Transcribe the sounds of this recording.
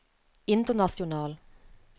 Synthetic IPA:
ɪnt̪ənɑθjʊnɑːl

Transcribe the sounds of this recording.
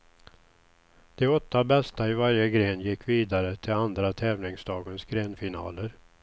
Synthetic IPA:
d̪̥ɛɔt̪ːabɛst̪aɪvaɾjəɡɾeːnjɪkʰːviːd̪aɾət̪ʰɪland̪ɾat̪ʰɛːvlɪŋsd̪ɑːɡənsɡɾeːnfɪnɑ̰ːləɾ

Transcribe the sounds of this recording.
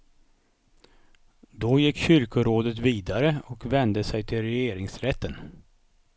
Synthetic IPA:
d̪ɔjɪkːɕʏɾkʊɾoːd̪ət̪viːd̪aɾəɔkvɛnd̪əsɛjt̪ʰɪlɾɛjeːɾɪŋsɾɛt̪ʰːən

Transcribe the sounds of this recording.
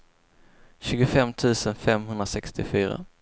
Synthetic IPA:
ɕʉ̟ːɡʊfɛmːt̪ʰʉ̟ːsənfɛmɦɵnd̪ɾasɛkst̪ɪfyːɾa̰

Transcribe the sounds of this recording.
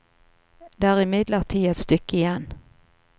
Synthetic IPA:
d̪eæːʁɪmɪd̪ləʁt̪ʰiːɛt̪st̪ʏkːəɪjɛn

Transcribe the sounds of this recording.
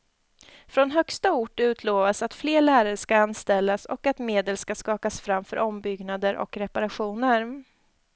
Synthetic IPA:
fɾɔnɦœkst̪aʊʈʉ̟ːt̪ʰloːvasat̪fleːɭæːɾaɾəʂkaanst̪ɛlːasɔ̰kat̪meːd̪əlskaskɑːkasfɾamfœ̰ɾʔɔmbʏɡnad̪əɾʔɔ̰kɾɛpaɾaɧuːnəɾ

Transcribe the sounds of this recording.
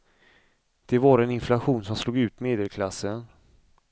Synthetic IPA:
d̪̥ɛvɑːɾɛnɪnflaɧuːnsɔmsluːɡʉ̟ːt̪meːd̪ɛlkʰlasːən

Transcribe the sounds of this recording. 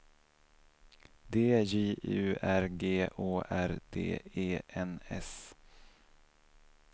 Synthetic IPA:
d̪eːjiːʔʉ̟ːæɾɡeːʔoːʔæɾd̪̥ḛːeːʔɛnɛ̰s

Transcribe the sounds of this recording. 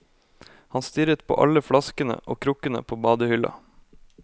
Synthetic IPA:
hɑnst̪ʏɾət̪pʰo̰ːʔɑ̰ləfɽɑskənə̰ʔoːkʰɾʊkənə̰pʰoːbɑːd̪əhʏlɑ̰

